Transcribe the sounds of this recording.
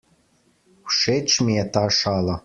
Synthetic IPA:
ʃet͡ɕmiet̪ɑʃɑlɤ̆

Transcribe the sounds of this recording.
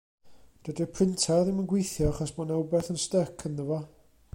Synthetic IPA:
d̥ədɪpʰrɪntʰaðɪmənɡwejθjɔaχɔsmanɛwbɛrθənstəkʰənːəvɔ

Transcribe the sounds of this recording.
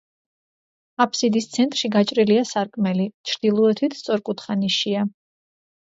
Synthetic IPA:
apʰsid̪ist̪sʰɛnt̪ʼɾʃiɡat͡ʃʼɾiliasaɾkʼmɛlit͡ʃʰɾd̪̥ilˠɔɛt̪ʰwit̪ʰst̪sʼɔɾkʼut̪ʰχaniʃia

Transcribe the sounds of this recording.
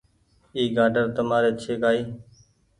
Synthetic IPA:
iːɡaːɖəɾt̪əmaːɾeːt͡ʃʰeːkaːiː

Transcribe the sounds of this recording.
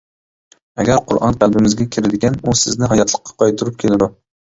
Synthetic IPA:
aɡʲæɾqʰʊɾʔɑ̰nt̪ʲʰalˠbɪmɪzɡʲakʲʰɪɾɪd̪ɪɡʲanusɪznɪɦɒjɑt̪lˠɨqːɑ̥qʰɒjt̪ʰʊɾɪp̚kʲʰelɪd̪ʊ

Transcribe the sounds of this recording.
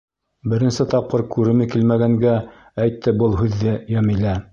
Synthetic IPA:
bɘ̆ɾɘ̆nsɘt̪ɑp̚qɤɾkʉɾɘmɘ̆kilmæɡæŋɡæ | æjt̪ːɘbɤlˠɦʉðːɘjæmilæ

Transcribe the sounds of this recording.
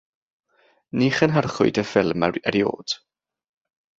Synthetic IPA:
niχənɦarχʊɨdəfɪlˠməəɾjo̰ːd̥

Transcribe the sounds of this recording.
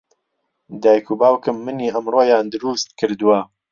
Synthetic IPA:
d̪aːjkʰuːbaːwkɨmːɨniːəmroːjaːnd̪ɨɾuːst̪̚kʰɨɾd̪uwɐ

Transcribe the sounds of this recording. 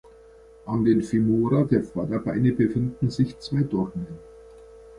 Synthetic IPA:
ʔandeːnfimoːɾadeːɐfadɐbaɪnəbəfɪndn̩zɪçt͡sv̥aɪdɔʁmən

